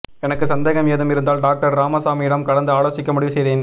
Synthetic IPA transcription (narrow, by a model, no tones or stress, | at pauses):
ɛnɐkːɯsɐnd̪eːɣɐmeːðɯmɪɾɯnd̪aːlɖaːk̚ʈɐɾɾaːmɐsaːmiɪɽɐmkɐɽɐnd̪ɯaːɭoːsɪkːɐmʊɽɪʋɯsɛjðeːn